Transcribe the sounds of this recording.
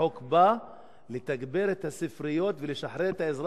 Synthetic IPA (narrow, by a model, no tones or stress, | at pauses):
okba | let̪aɡbeɾet̪hasifɾijo̞t̪veleʃaħɾeet̪haezɾ